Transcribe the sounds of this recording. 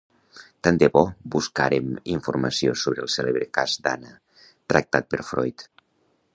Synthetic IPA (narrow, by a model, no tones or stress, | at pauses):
t̪and̪eβɔbuska̰ɾemiɱfuɾmə̰siosoβɾəlˠseleβɾekazd̪a̰nə | t̪ɾək̚t̪at̪̚pəɾfɾɔjt̪